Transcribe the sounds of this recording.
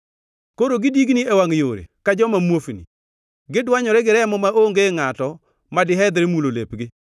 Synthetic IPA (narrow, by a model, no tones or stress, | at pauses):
koɾoɡɪdiɡniewaŋjoɾḛkad͡ʒɔmamwofnḭ | ɡɪdwaɲɔɾɛɡɪɾɛmɔmaoŋɡeŋatɔ | madɪɦɛd̪ɾemulolḛpɡɪ